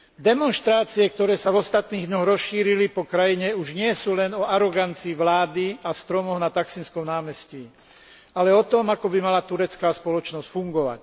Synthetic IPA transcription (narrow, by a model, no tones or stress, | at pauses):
d̪ɛmɔnʃt̪ɾaːt͡siɛkt̪ɔɾɛːsavɔst̪at̪niːɣd̪ɲɔɣɾɔsʃiːɾilipɔkɾajiɲɛuʒɲɪɛsuːlɛnɔaɾɔɡant͡siːʋlaːd̪iast̪ɾɔmɔɦnat̪aksinskɔmnaːmɛsci | alɛɔt̪ɔmakɔbimalat̪uɾɛt͡skaːspɔlɔt͡ʃnɔscfuŋɡɔʋa̰c